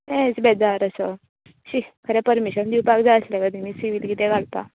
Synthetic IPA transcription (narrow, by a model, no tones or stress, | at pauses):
ɛ̃t͡sbɛd͡zaɾəsə | ɕikʰəɾɛpəɾmiɕənd̪iwpakd͡zaəslɛ̃kəd̪imiːsiʋiːt̪ɡit̪ɛ̃ɡaɭt̪a̰